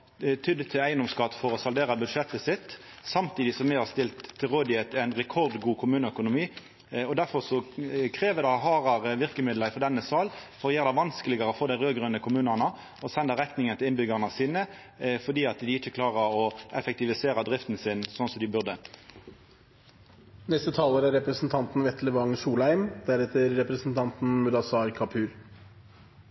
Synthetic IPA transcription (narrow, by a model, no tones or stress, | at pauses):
t̪ʰʏd̪ət̪ʰːɪlæɪənd̪ɔmskɑt̪ːfɔʁɔsɑld̪eːʁɑbʉd̪ʂɛt̪ːəsɪt̪sɑmt̪iːd̪ɪsɔmɪhɑʁst̪ɪlt̪ʰːɪlʁoːd̪ɪet̪æɪnʁɛkʰɔʁd̪ɡuːkʰʊmʉːnəœkʊnʊmiː | ɔd̪æʁfɔʁsɔkʰʁeːʋəd̪ɑɦɑːʁɑʁʋɪʁkəmɪd̪ləfɔd̪ɛnːəsɑːlfɔɾjeːʁd̪ɛʋɑnskəlɪɡəʁəɔfoːd̪æɪʁøːɡɾœnəkʰʊmʉːnənə | ɔsɛnd̪əʁɛknɪŋənt̪ʰɪlɪnbʏɡɑʁnəsiːnə | fɔd̪iːɑt̪d̪ɪɪt͡ʃːəkʰlɑːʁəɾɔʔɛfɛkt̪ɪʋɪseːʁəd̪ʁɪft̪n̩sɪnsɔnsɔmd̪ɪbʉʁd̪ə | nɛst̪ət̪ʰɑːləɾæɾɛpɾəsn̩t̪ʰɑnt̪n̩ʋɛt̪ləʋɑŋsuːlæɪmd̪æɾɛt̪əɾːɛpɾəsn̩t̪ʰɑnt̪n̩mʉd̪ɑsɑːɾkʰɑpʰʉːɾ